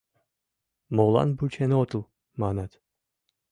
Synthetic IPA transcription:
molˠɑ̰nbut͡ʃʰenot̪ulˠ | maːnat̪

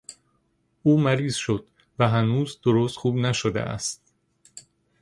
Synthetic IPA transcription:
uːmæɾiːz̥ʃo̞d̪ | væɦænuːzd̪oɾoːst̪xuːbnæʃod̪ḛʔæ̰st̪

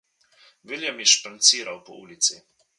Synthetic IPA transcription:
viljɛmjɛʃpant̪siːɾawpɔuːlit̪si

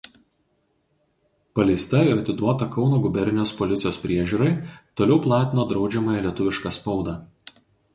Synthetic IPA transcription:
pɐlʲɛɪst̪ɐɪɾɐt̪ʲɪd̪uɔt̪ɐkɒʊnoːɡʊbʲɛɾʲnʲɪjoːspɔlʲɪt̪sʲɪjoːspʲɾʲiɛʒʲuːɾɐɪt̪oːlʲɛʊplˠɑːt̪ʲɪnoːd̪ɾɒʊd͡ʒʲɛmɐːjɛlʲiɛt̪ʊʋʲɪʃkɑspɒʊd̪ɑː

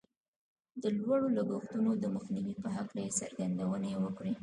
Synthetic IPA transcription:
d̪əlwaɽolaɡoxt̪unod̪əməxniwipəɦaklajesaɾɡand̪awənawəkɽi

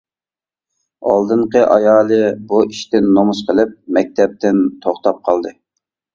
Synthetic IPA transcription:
ɑ̰lˠd̪ɨɴqəʔɑjɑːlˠɨbuiʃt̪ɪnːomusqʰəlˠɪp̚mɛk̚ʲt̪ʰɛp̚t̪ʰɪnt̪ʰoχt̪ɑp̚qʰɑlˠd̪ɨ

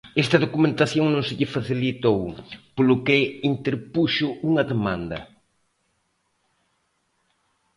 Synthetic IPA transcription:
ɛst̪ɐðokumẽnt̪aθjoŋnõŋsɪʎɪfaθilit̪owpolʊkeint̪eɾpuʃʊuŋɐðemãnd̪ɐ̰

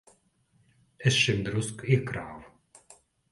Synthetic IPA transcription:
ɛsʃɪmd̪ɾuskikɾaːw

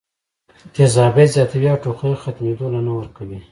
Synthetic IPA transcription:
k̪ezɑbezjɑt̪awiawʈoxejoxat̪med̪olanawəɾkawi

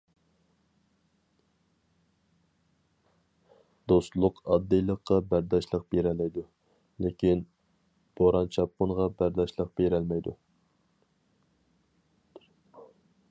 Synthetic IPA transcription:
d̪̥ost̪lˠʊqɑd̪ːɨjlˠəqːɑbæɾd̪ɑʃlˠəq̚b̥eɾɛlɛjd̪u | lekʲʰin | b̥oɾɑnt͡ʃʰɑp̚qʊnʁɑbæɾd̪ɑʃlˠəq̚b̥eɾɛlmɛjd̪ṵ

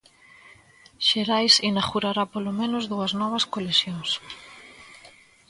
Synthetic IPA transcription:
ʃeɾajsinaɣuɾaɾapolomẽnʊzðuɐznɔβ̞ɐskolesjoŋs

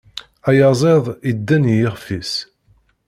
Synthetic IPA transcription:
æjɑzˤeðˤid̪ːænjɪʁfis

